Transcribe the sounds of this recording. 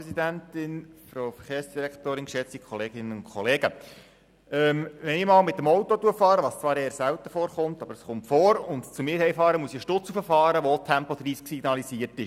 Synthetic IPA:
ɛsidæntɪnfɾowfəɾχeːrsd̥iɾɛktoːɾɪnkʃɛt͡sikʰχɔleːɡɪnənʊnkʰχɔleːɡ̥ə | ɛːmʋɛnɪmɑːlmɪt̪ːəmɔwtotuəfɑːɾəʋɑːst͡sʋɑːɾeːɾsæwt̪əfoːɾχʊmt̪ɑbəɾəsχʊmtfoːɾʊntt͡sumɪːɾhɛjfɑːɾəmuəsɪʃtʊt͡sufəfɑːɾəʋot̪ʰæmpɔd̪ɾiːsksiɡnɑlisiːərtɪʃ

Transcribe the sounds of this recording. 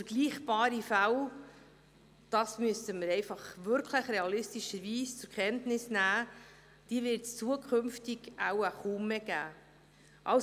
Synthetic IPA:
fəɾɡ̥liːχbɑːɾifæw | d̥ɑsmyəstəməɾɛɪfɑχʋʏɾkʰləχɾeɑlɪstiʃəɾviːst͡sʊɾkχɛntnɪsnæː | d̥iːvɪɾtst͡suəkʰχʏmftiɡawəχuməɡ̥æː | ʔɑw

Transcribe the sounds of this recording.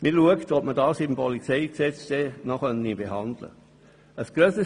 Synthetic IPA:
mɪluəktɔp̚mədɑːsɪmpɔlit͡sɛɪksɛt͡steːnɔχœnibeɦɑndlə̰ | əsɡ̥ɾøsə

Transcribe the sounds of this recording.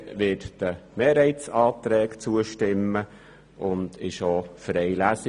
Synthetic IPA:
ʋɪːtd̥əmeːɾhɛɪtt͡sɑːt̪ɾɛːkt͡suəʃtɪmːə | ʔʊnd̪ɪʃofɾɛɪlæsɪ

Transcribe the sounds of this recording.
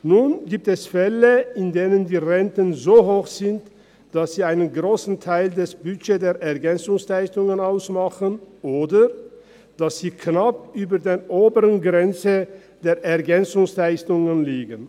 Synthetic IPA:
nunɡiːp̚tɛsfɛləɪndeːnəndiːʁɛntənzoːɦoːxz̥ɪnt | d̥asz̥iːaɪnənɡʁoːsn̩tʰaɪldɛsb̥yʃeːdeːɐʔɛɐɡɛnt͡sʊŋslaɪstʊŋənaʊsmaχənʔoːdə | d̥asz̥iːkʰnapʔyːbɐdeːɐʔoːbəʁənɡʁɛnt͡sə | d̥eːɐʔɛɐɡɛnt͡sʊŋslaɪstʊŋənliːɡən

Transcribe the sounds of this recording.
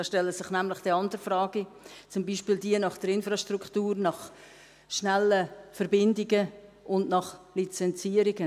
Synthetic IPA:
ɑːʃtɛləsɪχnæmlɪχd̥iɑndəɾfɾɑːɡ̥it͡sʊmbiːʃpiːldiənɑχd̥əɾɪnfɾɑʃtɾukχtuːɾnɑχ | ʃnɛləfəɾbɪndɪɡə | ʔʊndnɑχlit͡sɛnt͡siːəɾɪɡə

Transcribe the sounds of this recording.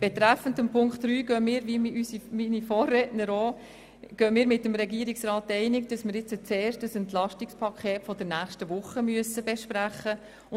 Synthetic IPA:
b̥ɛt̪ɾæfən̩dəmpʰʊŋktɾyːɡœːmɪːɾʋimysiminifoːrːɛːtnəɾoː | ɡ̥œːmɪːɾmɪtːəmɾɛɡiəɾiksɾɑːt̚ːɛɪnɪkd̥ɑsmɪɾɪt͡sət͡seːrʃtəsɛntlɑʃtikspʰɑkʰχeːtfɔd̥ənæːχʃtəʋʊχːəmyəsəbɛʃpɾæχə

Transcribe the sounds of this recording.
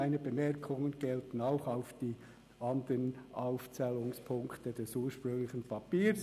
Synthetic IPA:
aɪnəbəmɛʁkʰʊŋənɡ̥ɛltn̩aʊxaʊfd̥iː | ʔɑndənʔaʊft͡sɛːlʊŋspʰʊŋktəd̥ɛsuːəʃpʁʏŋlɪçən̩pʰɑpiːs

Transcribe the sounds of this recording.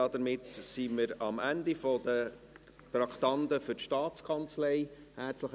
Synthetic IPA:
ɑd̪əɾmɪtsiməɾɑmænd̪ifɔd̪ə | t̪ɾɑkʰt̪ɑnd̪əfʏɾtʃtɑːt͡skʰɑnt͡slɛɪhæɾt͡sləχ

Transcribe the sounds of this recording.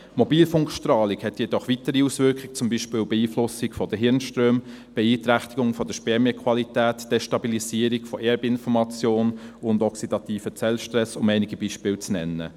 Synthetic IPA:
mɔbiːlfʊŋkʃtrɑːlikhɛtjɛdɔχʋitəɾiusʋʏɾkχɪk̚t͡sʊmbiːʃpɪːlbɛiːflʊsɪkfɔd̥əɦɪɾnʃtrøːm | b̥ɛiːtɾæχtiɡʊŋfɔd̥əʃpɛɾmjɛkʰʋɑlitæːtd̥eʃtɑbilisiːəɾikfɔʔɛɾbɪnfɔɾmɑt͡sjoːnʊndɔksid̥ɑt̪iːfət͡sɛlʃtɾɛsʊmɛɪnɪɡib̥iʃpɪːlt͡snɛ̰nːə̰

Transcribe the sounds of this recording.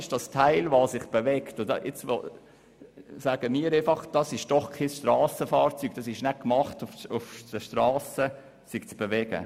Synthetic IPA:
ɪʃd̥ɑstʰaɪlʋɑːsɪχb̥eʋɛktdʔɛt͡sʋo̰ | saːɡ̥əmiːəɾeɪfɑχd̥ɑsɪʃd̥ɔχkʰɪsʃtɾɑːsəfɑːɾt͡syɡ̥̚d̥ɑsɪʃnɛkmɑχtʊfʊfd̥əʃtrɑːsə | sɪɡ̥t͡sb̥eʋɛɡə̰

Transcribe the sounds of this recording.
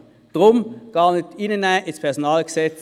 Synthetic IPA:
d̥ʁʊmɡ̥ɑːnɪtɪnənæʔɪspʰɛʁsonɑːlɡ̥əsɛt͡s

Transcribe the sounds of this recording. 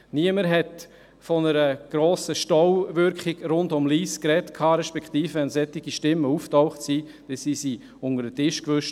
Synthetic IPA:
niəməɾɦɛt | fɔnəɾəɡ̥ɾoːsəʃtɔwʋʏɾkχɪɡɾʊndʊmliːskɾɛtkʰɑːɾɛʃpɛktiːfəɛnsɛtːɪɡiʃtɪmːəuːftɔʊχtsi | d̥ɛsisi | ʊŋəɾdətɪʃkʋʏʃt

